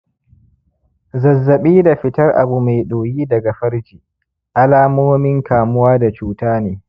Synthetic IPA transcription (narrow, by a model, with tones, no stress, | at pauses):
zɐ˨zːɐ˨ɓiː˦da˨ɸɪ˦tɐ˦rʔa̰˨bu˨ma˨jɗoː˨jiː˦dɐ˨ɡa˨ɸɐ˦ɾd͡ʒiː˨ | ʔa˦laː˦moː˦mɪ˦ŋkaː˨mʊ˦waː˦da˨t͡ʃuː˦taː˦neː˦